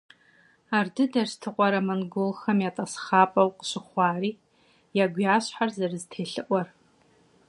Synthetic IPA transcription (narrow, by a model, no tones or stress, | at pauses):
aːrdɨdɐrstʰɨqʷʼɔɾɐmɐnɡolxɐmjatʼɐsχaːpʼɐwqʼə̥ɕɪχʷɑːɾiː | jaɡʷjaːɕħarzɐrɨztʰeːɬɨʔʷɔr